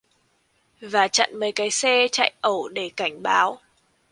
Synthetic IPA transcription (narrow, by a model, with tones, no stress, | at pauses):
vaː˨˩t͡ɕa̰˧˨nməː˨˦jkaː˨˦jsɛ˧t͡ɕa̰ː˧˨jʔə˧˩wɗe˧˩ka˧˩jŋ̟ɓaː˨˦w